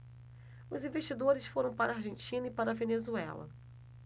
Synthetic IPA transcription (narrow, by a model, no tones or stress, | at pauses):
ʊzĩveʃt͡ʃid̪oɾɪsfoɾɐ̃w̃paɾɐaɾʒẽnt͡ʃĩnɐipaɾɐvenezuɛ̰lɐ̰